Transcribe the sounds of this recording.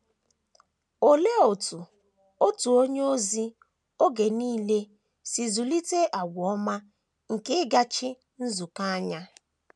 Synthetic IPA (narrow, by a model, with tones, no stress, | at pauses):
o˨le˦o˨tu˨ | o˦tu˨o˦ɲe˦o˦zi˦ | o˦ɡe˨niː˦le˦ | si˨zu˨li˦te˦ʔa˨ɡʷɔ˦ma˦ | ŋ̩˨kɪ˦ɡa˦t͡ʃɪ˦ | n̩˦zu˨ka˦a˦ɲa˦